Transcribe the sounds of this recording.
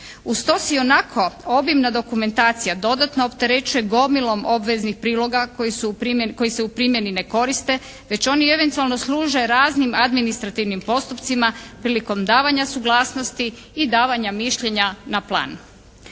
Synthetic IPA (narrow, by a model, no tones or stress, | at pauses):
ust̪o̞sionakʰo̞o̞bjimnad̪o̞kume̞nt̪aːt̪sijad̪o̞d̪at̪no̞opt̪e̞ɾe̞t͡ɕujeɡo̞milo̞mo̞bʋeznixpɾiːlˠo̞ɡakosupko̞jiseupɾiːmje̞nine̞ko̞ɾist̪e̞ | ʋe̞t͡ɕo̞nie̞ʋe̞nt̪ualˠno̞slˠuːʒeɾaːznimad̪minist̪ɾat̪iʋnimpo̞st̪upt̪simapɾiːliko̞md̪aːʋaɲasuɡlˠaːsnost̪iː | d̪aːʋaɲamiʃʎe̞ɲanaplˠa̰ːn